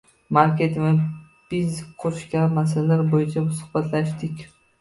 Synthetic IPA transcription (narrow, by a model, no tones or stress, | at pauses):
maɾkʲe̞t̪ʰɪvɪ | b̥ɪzqʰʊɾɪʃkʲamas̬alaɾbojɪt͡ʃʰamʊsʊ̥hbat̪ʰlaʃt̪ɪkʲ